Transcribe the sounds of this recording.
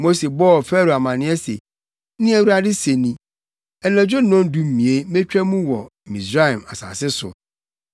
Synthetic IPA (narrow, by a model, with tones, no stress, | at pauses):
mo˦se˨bɔ˦ɔ˨fɛ˦ɾo˨a˨mã˨nɪ̃˦ɛ˦sḛ˨˦ | nɪ̃˦ɛ˦wu˦ɾa˦˨dɪ˦se˨nĩ˦ | ɛ˨nã˨d͡ʑᶣo˦nɔ̃˦n˦dũ˦m̩˨mĩ˨e˦mẽ˦t͡ɕᶣɛ˦mũ˦wɔ˨mĩ˨sɾa˦ɛ˨ma˨sa̰ː˨sɪ˦sʊ̰˨